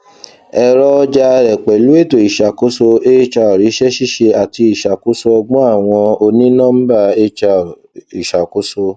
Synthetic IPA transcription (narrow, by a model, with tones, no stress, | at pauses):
ɛ˧ɾɔ˧d͡ʒa˧ɾɛ˨k͡pɛ˨lu˨˦e˦˨to˨i˨ʃa˨ko˦so˧e˦t͡ʃa˧ɔ˨ɾi˨˦ʃɛ˦ʃi˦ʃe˧a˨ti˧i˨ʃa˨ko˨˦so˧ɔ˧ɡ͡bɔ̃˦a˦˨w̃ɔ̃˧o˧nĩ˦nã˦m̩˦ba˦˧e˦t͡ʃa˧˨ | i˨ʃa˨ko˨˦so˧